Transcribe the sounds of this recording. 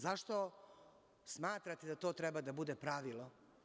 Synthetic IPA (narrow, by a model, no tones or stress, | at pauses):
zaʃt̪o̞ | smaːt̪ɾat̪ed̪at̪o̞ːt̪ɾɛbad̪abud̪epɾaʋilˠo